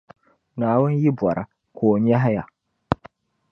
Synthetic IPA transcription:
naː˨˦wʊ˦n˦ji˦bwa˨ɾʔa̰˨ | kʰoː˨ɲ˦ja˦ɦa˦ja˨

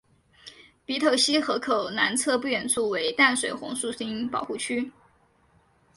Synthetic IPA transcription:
pi˧˥t̪ʰo˨˩ʊɕi˥xɤ˧˥kʰo˨˩ʊna˧˥nt͡sʰɤ˥˧pu˥˩ɥɛ˨˩nt͡sʰu˥˩we˧˥ɪt̪a˥˩nʂwe˨˩ɪxʊ̰˧˥ŋsu˥˩si˥ŋpɑ̰˨˩ʊxu˥˩t͡ɕʰy˥

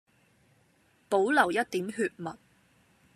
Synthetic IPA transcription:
po˨˥wlɐ˨˩wjɐ˥t̚t̪iː˨˥mɦyː˧t̚mɐ˨t̚

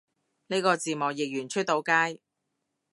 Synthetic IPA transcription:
ne˥jkɔː˧t͡siː˨mɔː˨˩k̚jɪ˨k̚jyː˨˩nt͡ʃʰɵ˥t̚t̪o˨˧wkaː˥j

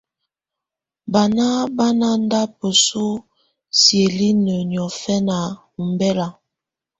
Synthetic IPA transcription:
ba˨na˦ba˦na˦n˦da˦pə˨su˦ | sje˨li˦nə˨n˨ɔ˨fɛ˦na˨ | u˨mbɛ˦la˨

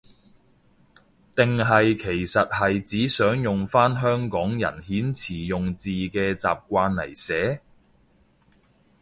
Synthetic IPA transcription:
t̪ɪ˨ŋɦɐ˨jkʰe˨˩jsɐ˨t̚hɐ˨jt͡siː˨˥sœː˨˥ŋjʊ˨ŋfaː˥nɦœː˥ŋkɔː˨˥ŋjɐ̰˨˩nhiː˨˥nt͡sʰiː˨˩jʊ˨ŋt͡siː˨kɛː˧t͡sa̰ː˨p̚kʷaː˧nlɐ̰˨˩jsɛː˨˥

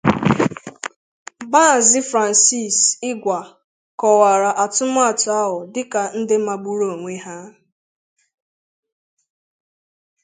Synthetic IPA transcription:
ba˦˨zɪ˦fɾa˨n̩˨si˦˨sɪ˦ɡʷa˨ | kɔ˨wa˨ɾa˨ʔa˨tʊ˦mʊ˦a˦˨tʊ˨a˦ɦʊ˨dɪ˦ka˨n̩˦dɪ˦ma˨ɡ͡bu˦ɾo˦˨ŋʷe˦ɦa˦

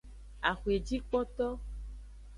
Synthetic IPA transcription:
a˨xu˨e˨d͡ʒi˦k͡pɔ˦t̪ɔ˦

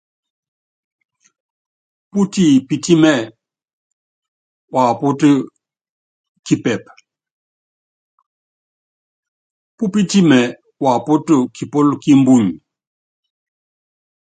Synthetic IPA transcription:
pu˦ti˦˨pi˦ti˦mɛ˦˨ | wa˨pu˦tə˦ | ki˦pɛ˨p̚ | pu˦pi˦ti˦mɛ˨ | wa˨pu˦tu˦kʰi˨po˦lki˦m˦bu˦˨ɲ

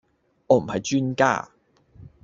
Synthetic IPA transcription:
ɔː˨˧m̩˨˩hɐ˨jt͡ʃyː˥nka̰ː˥˩

